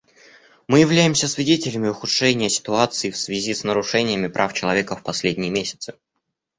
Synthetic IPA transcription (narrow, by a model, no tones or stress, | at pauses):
mɨjɪvlʲæjɪmsʲəsvʲɪdʲetʲɪlʲəmʲɪʊxʊtʂɛnʲɪjəsʲɪ̥t̪ʊat̪sɨɪfsvʲɪzʲisnəɾʊʂɛnʲɪjəmʲɪpɾʔaft͡ɕɪlˠɐvʲekəfpɐsʲlʲedʲnʲɪjəmʲesʲɪ̥t̪sɨ